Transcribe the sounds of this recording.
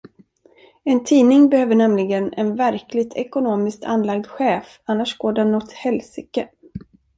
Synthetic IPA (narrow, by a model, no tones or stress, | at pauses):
ɛnt̪ʰiːnɪŋbɛhøːvəɳɛmlɪɡənɛ̰nvæɾklɪɡ̚t̪ʰɛkʊnoːmɪskt̪ʰa̰nːlaɡ̚d̪ɧɛːf | anːaʂɡ̥oːɖɛnːɔt̪hɛlsɪkə